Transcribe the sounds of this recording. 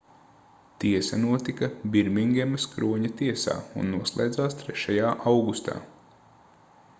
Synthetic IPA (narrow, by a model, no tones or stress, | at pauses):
t̪iɛsɐnuɔt̪ikɐbiɾmiŋɡʲemɐskɾuɔɲɐt̪iɛsa̰ːṵnːuɔslˠɛ̰ːjd̪zaːst̪ɾɛʃajaːʔawɡust̪a̰ː